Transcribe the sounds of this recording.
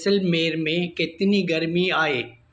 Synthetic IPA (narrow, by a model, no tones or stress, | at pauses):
sɪlmeːɾmẽkɪt̪niɡɐɾmiaːɦeː